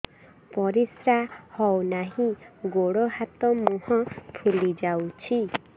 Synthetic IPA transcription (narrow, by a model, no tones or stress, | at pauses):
pɔɾisɾahɔwnaɦĩɡoɽɔɦat̪ɔmuɦɔ̃pʰulid͡ʒawt͡ʃʰi